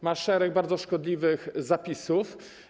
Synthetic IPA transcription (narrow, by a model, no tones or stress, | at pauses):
maʂɛɾɛɡ̚baɾd̪zɔʂkɔd̪lʲivɘxzapʲisuf